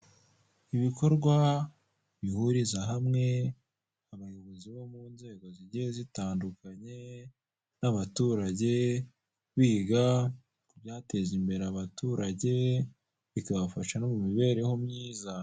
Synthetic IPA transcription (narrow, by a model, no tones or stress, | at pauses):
iβiko̞ɾɡwa | βihuɾizaɦamŋe̞ | aβajoβoziβo̞muːnze̞ːɡo̞ziɟeezitaːndukaɲe̞ | naβatuɾaɟe̞ | βiːɡa | kubjaːte̞zimbe̞ɾeaβatuɾaɟe̞ | βikaβafaʃano̞mumiβe̞ːɾe̞ho̞mɲiːza